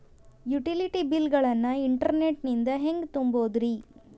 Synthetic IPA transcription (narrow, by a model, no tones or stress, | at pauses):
juʈiliʈibilɡɐɭɐnːɐiɳʈɐɾneʈnind̪ɐɦe̞ŋɡt̪umboːd̪ɾi